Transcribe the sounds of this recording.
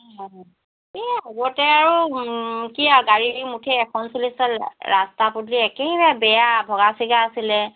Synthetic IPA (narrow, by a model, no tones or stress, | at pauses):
eɦɔbɔtɛaɹu | kiaɡaɹiimutʰɛːkʰɔnsɔlisɔlɹastaputliɛkeibɛjabɛjabʱɔɡasiɡaːsilɛ